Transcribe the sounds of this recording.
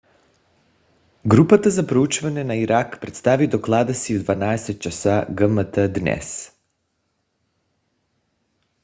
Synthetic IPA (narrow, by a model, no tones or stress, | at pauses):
ɡɾupat̪azapɾout͡ʃvaɲenaiɾakpɾet̪st̪avid̪oklˠad̪asiud̪vanaeset̪̚t͡ʃasaɡəmət̪əd̪nɛ̰s